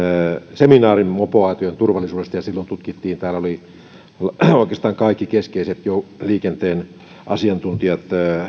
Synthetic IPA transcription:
seminɑːrimmopoɑˑit̪ojent̪urʋɑlisuːdest̪ɑjɑsilːont̪ut̪kit̪ːiːnt̪æːloli | oˑikeːst̪ɑːŋkɑikːikeskeiset̪joliːkent̪eːn | ʔɑsiɑnt̪unt̪iɑt̪ː

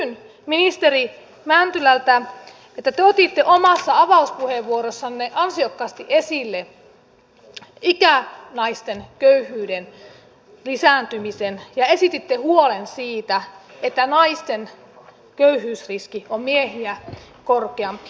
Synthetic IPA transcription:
n | minist̪eri | mænt̪ylælt̪æ | et̪ːæt̪eot̪it̪ːeʔomɑsːɑɑʋɑuspuheʋːuoɾosːɑnneʔɑnsiokːɑːst̪iʔesilːe | ikænɑist̪enkøyhyːden | lisænt̪ymisenjɑesit̪it̪ːehuolensiːt̪æet̪ːænɑist̪en | køyhˑyːsriskiommiehiæ | korkeɑmpi̥

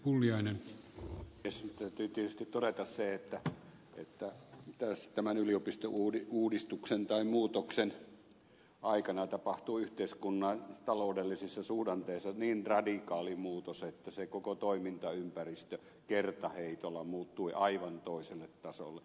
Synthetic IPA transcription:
pulːiɑinen | est̪æyt̪yːt̪iet̪yst̪it̪t̪oɾet̪ɑsseet̪ːæ | ḛt̪ːæt̪æst̪æmænyliopist̪oʔuːiuːdist̪uksent̪ɑimuːt̪oksen | ʔɑikɑnɑt̪ɑpɑht̪uːyht̪eiskunːɑt̪ɑloˑudelːisisːɑsuːdɑnt̪eisːɑniːnrɑdikɑːlimuːt̪oset̪ːæsekokot̪oimint̪ɑympærist̪ø | kert̪ɑheit̪olːɑmuːt̪ːuiʔɑiʋɑnt̪oˑiselːet̪tɑso̰lːˑe

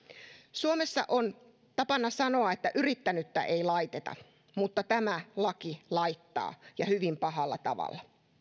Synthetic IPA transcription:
suomesːɑ̰ʔon | t̪ɑpɑnːɑsɑnoɑet̪ːæʔyrit̪ːænyt̪ːæʔeilɑit̪et̪ɑ̰ | mut̪ːɑt̪æmælɑkilɑit̪ːɑ̰ːjɑhyʋimpɑɦɑlːɑ̰t̪ɑ̰ʋɑ̰lːɑ

